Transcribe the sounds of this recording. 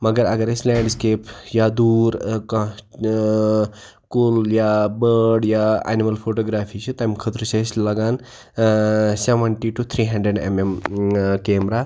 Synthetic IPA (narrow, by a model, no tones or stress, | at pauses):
mɐɡəɾɐɡəɾeslɛːɳɖskeːpjad̪uːɾkã | kuljabəɾɖjaa̰nimɐlpʰoʈoːɡɾaːfʰit͡ʃʰɨt̪ɐmkʰɐt̪ɾuseslɐɡaːn | seʋəɳʈiʈut̪ʰɾiːɦɐ̃ɳɖɾeɖḛmemkeːmɾa